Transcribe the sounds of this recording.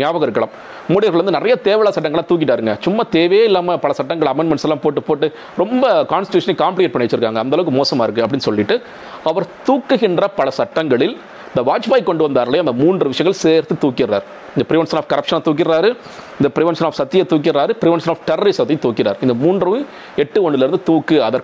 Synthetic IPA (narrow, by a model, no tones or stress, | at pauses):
njaːʋɐɣɐɾɯkːɐɭɐm | muːɽɪjɐɾɣɐɭʋɐnd̪ɯnɪɾɐjɐt̪eːʋɐɭaːsɐʈ̬ːɐŋɐɭːãt̪uːk̬ːɪʈːaːɾɯŋɡɐ̰t͡ʃʊmːat̪eːʋejeːɪlːaːmɐpɐɭɐsɐʈːɐŋɡɐɭɐmɛːɳɖmɛɳʈsɛlːaːmpoːʈ̬ːɯpoːʈːɯ | ɾɔmbɐkaːnsʈɪʈjuːʂɐnɐɪkaːmplɪjɛʈ̚pɐɳːɪʋɐt͡ʃːɪɾɯkːaːŋɡɐːnɐlɐʋɯkːɯmoːsɐmaːɪɾɯkːɯɐpːɐɽɪnːɯsɔlːɪʈːɯ | ɐʋɐɾt̪uːkːɯɣɪndrɐpɐɭɐsɐʈːɐŋɡɐɭɪl | ɪnd̪ɐʋaːt͡ʃbaːɪkːɔɳɖɯʋɐnd̪aːɾɐlɐj̃ɐnd̪ɐmuːndrɯʋɪʂɐjɐŋɡɐɭseːɾt̪ɯt̪uːkːɪɾa̰ːɾ | ɪnɡ̪ɐpɪɾɪʋɛnʂɐnaːfkɐɾɐpʂɐnat̪uːk̬ːɪɾɾaːɾɯ | ɪnd̪ɐpɪɾɪʋɛnʂɐnaːfsɐt̪ːɪjɐt̪uːk̬ːɪrɾaːɾɯpɪɾɪʋɛnʂɐnaːfʈɐɾɐɾisɐt̪ːɪjt̪ːuːkːɪɾaːɾɪnd̪ɐmuːndrɯ | ɛʈːɯɔɳɪlɛɾɯnd̪ɯt̪uːkːɯɐðɐɾ